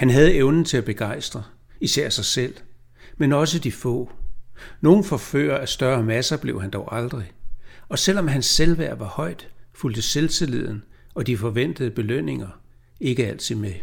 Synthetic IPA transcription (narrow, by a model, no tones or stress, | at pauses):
hænɦæð̞̩ˠəeʊnn̩t͡sʰe̝æb̥e̝ɡ̥ɑ̈ɪ̰sd̥ʁɐ | isæɐ̰sɑ̈ɪsel̰ | menɒ̽s̬əd̥ifɔ̰̽ː | no̝ːn̩fɒ̽fø̰ːɐæsd̥ɶɐmæsɐb̥le̝ʊɦænd̥ɒʊʔɑ̈ld̥ʁiɒ̽sel̰ɒ̽mɦænsːelʋæɐ̰ʋɑ̈hɒ̽ɪ̰d̥fuld̥əselt͡sʰe̝le̝ð̞ˠn̩ | ɒ̽d̥ifɒ̽ʋen̰d̥əð̞ˠəb̥e̝løn̰e̝ŋɐ | e̝ɡ̥əæl̰t͡sʰið̰ˠme